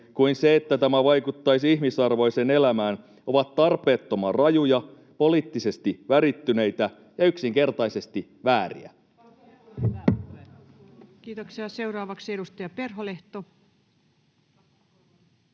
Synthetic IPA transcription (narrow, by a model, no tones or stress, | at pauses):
kuinse̞et̪ːæt̪æmæʋɑjkut̪ːɑjs̬içmisɑrʋo̞jse̞ne̞læmæːn | o̞ʋɑt̪ːɑrpe̞ːt̪ːo̞mɑrɑjujɑ | po̞liːt̪ːise̞st̪iʋæɾit̪ːyne̞jt̪æ | jɑyksiŋke̞rt̪ɑjse̞st̪i | ʋæːɾḭæ̰ | kiːt̪oksiɑseuwɾɑːʋɑksedust̪ɑjɑperɦoleht̪o